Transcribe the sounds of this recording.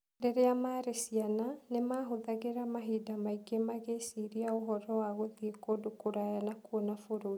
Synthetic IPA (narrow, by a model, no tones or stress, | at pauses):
deɾeamaɾesiananemaːɦoðaɣeɾamaɦidamaiɡemaɣesiɾiaoɦɔɾɔwaɣoðiekodokoɾajanakuɔnafoɾoi